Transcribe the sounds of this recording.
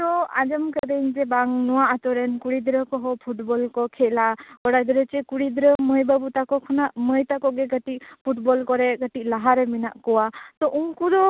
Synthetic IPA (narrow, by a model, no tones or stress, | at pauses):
t̪ɔa̰d͡ʒəmkəɾəɲd͡ʒɛbaŋnɔwaʔat̪ɔɾɛnkuɽid̪ɾəkɔɦɔpʰuʈbɔlkɔkʰɛlaɡɔɽad̪iɾət͡ʃɛkuɽid̪ɾəməjbabut̪akɔkʰɔnaʔməjt̪akɔɡɛɡəʈikpʰuʈbɔlkɔɾɛɡəʈiʔlaɦaɾɛminaʔkɔwat̪ɔʔuŋkuɾɔ